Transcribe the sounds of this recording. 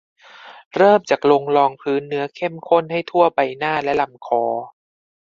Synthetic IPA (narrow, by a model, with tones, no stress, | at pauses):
ɾɤː˥˩mt͡ɕaː˨˩k̚lo˧ŋlɔː˧ŋpʰɯː˦˥nːɯ˦ɐkʰe˥˩mkʰo˥˩nha˥˩jt̪ʰu˥˩ɐba˧jnaː˥˩lɛ˦˥la˧˩mkʰɔː˨˩˦